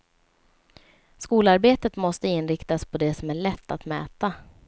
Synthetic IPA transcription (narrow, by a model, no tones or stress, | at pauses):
skuːlaɾbeːt̪ət̪mɔst̪əɪnɾɪkt̪aspʰɔd̪ɛsɔmæɭɛt̪ːat̪mɛ̰ːt̪a